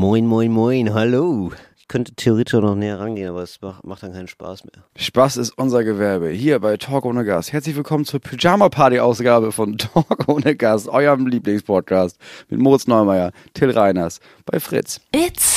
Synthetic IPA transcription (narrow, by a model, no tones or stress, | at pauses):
mɔɪnmɔɪnmɔɪnɦaloɪçkʰœntə̥tʰeoʁeːtʰɪʃanɔχnɛːɐʁanɡeːənʔaːbɐɛsmamaχtd̥aːnkʰaɪnən̩ʃpa̰ːsmeːɐʃpasɪstʔʊnzɐɡəvɛɐbəhiːɐbaɪtʰɔːkʔoːnəɡa̰sthɛɐt͡slɪçv̥ɪlkʰɔmənt͡suːɐpʰyd͡ʒaːmapʰaɐtiʔaʊsɡ̥aːbəfɔntʰɔkʔoːnəɡastʔɔʏəmliːplɪŋspʰɔt̚kʰaːstmɪ̰tmoːʁɪt͡snɔʏmaɪɐ | tʰɪlʁaɪnɐs | b̥aɪfʁ̥ɪ̰t͡sɪt͡s